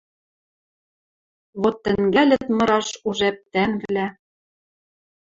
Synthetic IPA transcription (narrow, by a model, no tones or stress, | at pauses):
βot̪ːɘ̆ŋɡælʲɘ̆t̪mɤ̆ɾɑʃuʒæp̚t̪ænβlæ